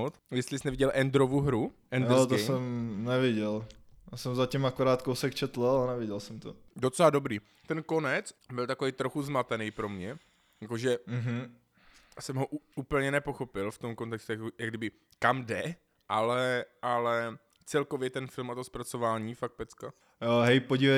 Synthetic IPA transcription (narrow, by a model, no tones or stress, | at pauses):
ot̪jɛst̪lɪsnɛvɪɟɛlʔɛnd̪ɾovuɦɾuʔɛnd̪ot̪osɛmnɛvɪɟɛlasɛmzacimakoɾaːt̪kowsɛkt͡ʃɛt̪laɛnɛvɪɟɛlsɛmt̪odot͡sɛlado̞bɾiː | t̪ɛnko̞nɛt͡sbɪlt̪akovejt̪ɾo̞xuzmat̪ɛnɛjpɾo̞mɲɛ | jakoʒɛɦ̩ | sɛmɦo̞ʔuuːpl̩ɲɛnɛpo̞xo̞pɪlft̪o̞mkont̪ɛkst̪ujakjaɡ̚dɪbɪ | kamdɛ | ʔalɛʔalɛ | t͡sɛlkovjɛt̪ɛnfɪlmat̪ospɾat͡so̞vaːɲiːfak̚t̪̚pɛt͡ska | joɦɛjpoɟivɛ